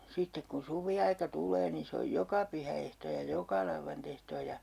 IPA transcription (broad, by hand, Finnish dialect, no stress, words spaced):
sitːek kun suʋiɑikɑ tulˑeː nin̞ se oj jokɑ pyhæehtoː jɑ jokɑ lɑuʋːɑntehtoː jɑ